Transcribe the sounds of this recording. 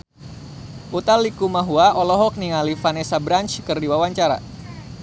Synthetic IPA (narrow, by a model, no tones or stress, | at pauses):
ut̪alːikumaɦuaʔɔlɔɦɔk̚niŋalifanɛsabɾant͡ʃkɨrdiwawaɲt͡ʃaɾa̰